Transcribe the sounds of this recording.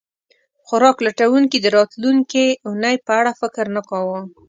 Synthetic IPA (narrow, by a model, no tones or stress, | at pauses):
xʊɾɑklaʈawuŋkid̪əɾɑt̪luŋkiʊnajpəaɽafɪkɾnəkɑwə